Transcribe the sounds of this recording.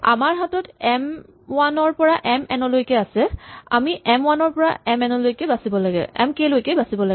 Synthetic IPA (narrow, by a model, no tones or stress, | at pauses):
a̰maɹɦatɔtɛm | wanɔɹpɔɹaʔɛmɛnɔlojkɛasɛa̰miʔɛmwanɔɹpɔɹa̰ɛmɛnɔlojkɛbasibɔlaɡɛ̰ɛ̰mkelojkɛbasibɔlaɡ